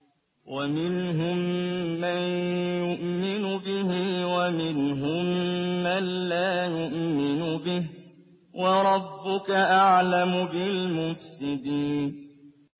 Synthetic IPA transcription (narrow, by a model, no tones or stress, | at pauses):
wʔamɪnɦʊmːanjʊʔmɪnʊbɪhɪwamɪnɦʊmːanlaːjʊʔmɪnʊbɪh | wʔɑɾˤɑbːʊkaʔaʕlamʊbɪlmʊfsɪd̪iːn